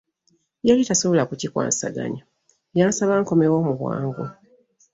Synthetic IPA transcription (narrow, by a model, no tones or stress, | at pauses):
jalitasoβolakucikwa̰ːnsa̰ɡa̰ɲa | jaːnsaβaːŋko̞mewo̞ːmuβwa̰ːŋɡo